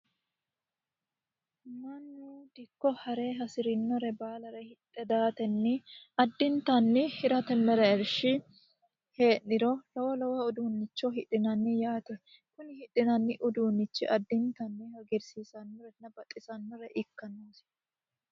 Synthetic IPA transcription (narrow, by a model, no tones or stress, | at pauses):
nɐnːud̪ɪkːɔhɐɾeːɦɐsɪɾɪnːɔɾɛbaːlɐɾɛhɪt̪ʼːɛd̪aːt̪ɛnːɪɐd̪ːɪnt̪ɐnːɪhɪɾɐt̪ɛmːɛɾɛɛɾʃɪ | he̞ːʔːɪɾɔlɐwɔlɐwɐʊd̪uːnːɪt͡ʃːɔɦɪᶑɪnɐnːɪjaːt̪ɛ | kʊnɪhɪᶑɪnɐnːɪʔʊd̪uːnːɪt͡ʃːɪʔɐd̪ːɪnt̪ɐnːɪhɐɡɛɾsiːsɐnːɔɾɛnːɐbɐt̪ʼːɪsɐnːɔɾɛʔɪkːɐnːoːs